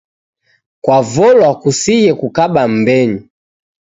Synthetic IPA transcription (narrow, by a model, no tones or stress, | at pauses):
kwavɔlwakusijɛkukaɓam̩bɛɲi